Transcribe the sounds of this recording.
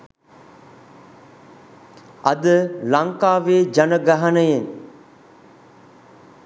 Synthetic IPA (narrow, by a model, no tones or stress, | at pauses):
ɐd̪əlaŋkaːʋeːd͡ʒanəɡaɦanəjen